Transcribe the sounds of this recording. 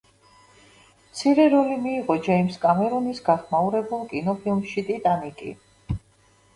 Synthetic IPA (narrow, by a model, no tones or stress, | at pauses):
mt̪sʰiɾɛɾɔlimiːʁɔd͡ʒɛimskʼamɛɾɔnisɡaχmauɾɛbulˠkʼinɔpʰilˠmʃit̪ʼit̪ʼanikʼḭ